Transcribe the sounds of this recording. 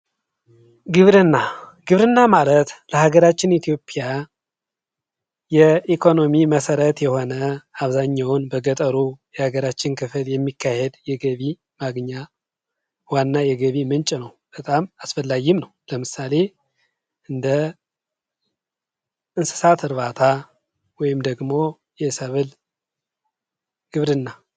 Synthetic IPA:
ɡɨβɾɨnːa | ɡ̥ɨβɾɨnːamalət̪ləhaɡəɾat͡ʃːɪnit̪ʰijo̞pʼija | jɛikʰo̞no̞miməsəɾət̪jɛho̞nəaβzaɲːawnbəɡət̪ʼəɾujɛhaɡəɾat͡ʃːɪnkʰɨfɨljɛmːikʰːahed̪jɛɡəβi | maɡɲa | wanːajɛɡəβimɨnt͡ʃʼnəwb̥ət̪ʼamasfəlːaɡɪmnəwləmɨsale̞ | ʔɨnd̪ə | ʔɨnsɨ̥sat̪ʰɨɾβat̪ʰa | wɔjɪmd̪əɡmo̞ | jɛsəβɨl | ɡ̥ɨβɾɨnːa

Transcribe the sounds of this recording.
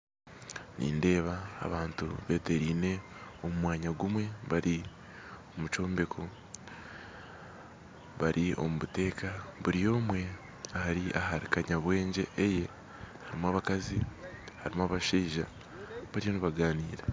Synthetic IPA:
nḭːnde̞ːβa̰ːβaːntṵβe̞ːte̞ɾiːne̞o̞mumwaːɲaɡumwe̞βaɾi | omut͡ʃo̞ːmbe̞kʰo | βaɾʔio̞̰muβute̞ːkaβuɾijo̞ːmwe̞ | ahaɾiʔaɦaɾikaɲaβwe̞ːɲɟe̞ʔːje̞ | haɾimaβakazi | haɾimaβaʃeːʒa̰ | βaɾijo̞niβaɡaːniːɾe

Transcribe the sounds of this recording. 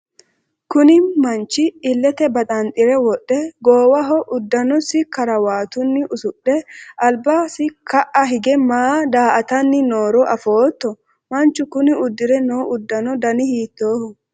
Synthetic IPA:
kʊnɪmɐnt͡ʃːɪːlːɛt̪ɛbɐt̪ʼɐnt̪ʼɪɾɛwɔɗːɛɡoːwɐɦɔʔʊd̪ːɐnɔsɪkɐɾɐwaːt̪ʊnːɪʔʊsʊɗːɛɐlbaːsɪkʰɐʔɐɦɪɡɛmaːd̪aːʔɐt̪ɐnːɪnoːɾɔʔɐfo̞ːt̪ːɔ | mɐnt͡ʃːʊkʊnɪʊd̪ːɪɾɛnoːʔʊd̪ːɐnɔd̪ɐnɪhiːt̪ːoːhɔ

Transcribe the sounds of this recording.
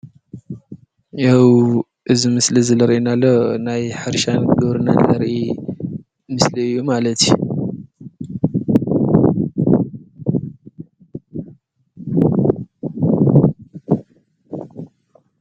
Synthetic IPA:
jaw | ʔɨzimɨslizɐlɐɾʔinalːonajħɨɾʃanɡɨβɾɨnanlɐɾʔi | mɨsliɨjːumalɐt̪ju

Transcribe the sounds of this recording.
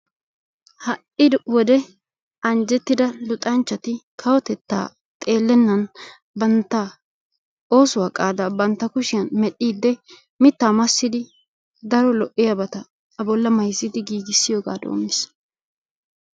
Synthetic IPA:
hɐʔɪd̪wɔd̪ɛ | ɐnd͡ʒɛt̪ːɪd̪ɐlʊt̪ʼɐnt͡ʃːɐt̪ɪkʰɐwɔt̪ɛt̪ːa̰ː | t̪ʼe̞ːlːɛnːɐn | bɐnt̪ːa | o̞ːsʊwaːkʼaːd̪aːbɐnt̪ːɐkʊʃɪjɐnmɛɗːiːd̪ːɛ | mɪt̪ːaːmɐsːɪd̪ɪ | d̪ɐɾɔlɔʔːɪjɐbɐt̪ɐː | bɔlːɐmɐjsɪd̪ɪɡiːɡɪsːɪjoːɡa̰ːd̪o̰ːmːɪs

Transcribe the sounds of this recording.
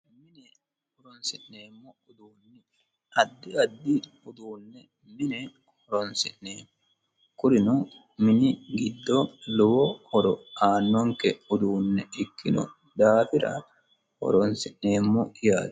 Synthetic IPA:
mɪnɛ | hɔɾɔnsɪʔneːmːɔʊd̪uːnːɛ | ɐd̪ːɪɐd̪ːɪ | ʊd̪uːnːɛ | mɪnɛ | hɔɾɔnsɪʔneːmːɔ | kʊɾɪnʊ | mɪnɪɡɪd̪ːɔlɔwɔhɔɾɔaːnːɔŋkɛʊd̪uːnːɛɪkʰːɪnʊ̰ | d̪aːfɪɾɐ̰ | hɔ̰ɾɔnsɪʔneːmːɔjaːd̪

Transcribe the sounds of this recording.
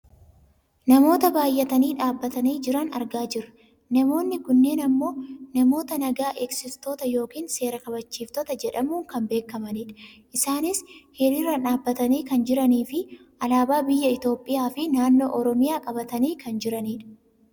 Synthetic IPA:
nɐmo̞ːt̪ɐbaːjːɛt̪ɐniːᶑaːbːɐt̪ɐniːd͡ʒɪɾɐnɐɾɡaːd͡ʒɪɾɐ | nɐmo̞ːnːɪkʊnːe̞ːnɐmːo̞ːnɐmo̞ːt̪ɐnɐɡaːʔeːksɪst̪o̞ːt̪ɐjo̞ːkiːnse̞ːɾɐkɐβɐt͡ʃːiːft̪ɔt̪ɐd͡ʒɛᶑɐmuːŋkɐmbe̞ːkːɐmɐniːᶑɐʔɪsaːnɪshɪɾɪɾɐᶑaːbːɐt̪ɐniːkɐnd͡ʒɪɾɐniːfɪ | ʔɐlaːbaːbɪjːɐɪt̪o̞ːpʼːɪjaːfɪnaːnːo̞ːʔɔɾɔmɪjaːkʼɐbɐt̪ɐniːkɐnd͡ʒɪɾɐniːᶑɐ̥

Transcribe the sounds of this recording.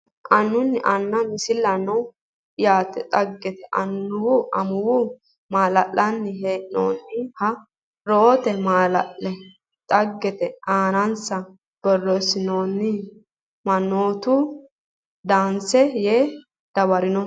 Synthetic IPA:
ʔɐnːʊnːɪʔɐnːɐmɪsɪlːɐnɐw | jaːt̪ɛt̪ʼɐɡːɛt̪ɛʔɐ̰nːʊwʊʔɐmʊwʊ | maːlɐʔːɐnːɪɦeːno̰ːnːɪhɐ | ɾo̞ːt̪ɛmaːlɐ̰ʔːɛ | t̪ʼɐɡːɛt̪ɛaːnɐnsɐ | b̥ɔrɔsɪnoːnːɪ | mɐnːoːt̪ʊ | d̪aːnsɛjeː | d̪̥ɐwɐɾɪnɔ

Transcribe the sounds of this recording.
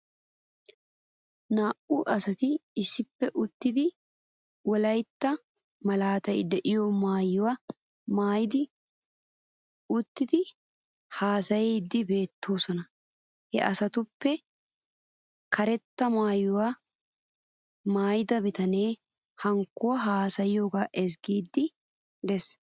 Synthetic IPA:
naːʔʊʔɐsɐt̪ɪɪsːɪpːɛʔʊt̪ːɪd̪ɪ | wɔlɐjt̪ːɐ | mɐlaːt̪ɐjd̪ɛʔɪjɔmaːjːʊwa | maːjɪd̪ɪ | ʊt̪ːɪd̪ɪ | haːsɐjeːd̪ːɪbe̞ːt̪ːo̞ːsɔnɐ | hɛ̰ʔɐsɐt̪ʊpːɛ | kʰɐɾɛt̪ːɐmaːjʊwaː | maːjɪd̪ɐbɪt̪ɐne̞ː | hɐŋkːʊwɐɦaːsɐjɪjo̞ːɡaːʔɛsɡiːd̪ːɪ | d̪ɛs

